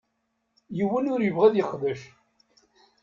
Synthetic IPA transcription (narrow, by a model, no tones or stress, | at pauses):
jəwːənʊɾjəvʁæðjəχðəʃ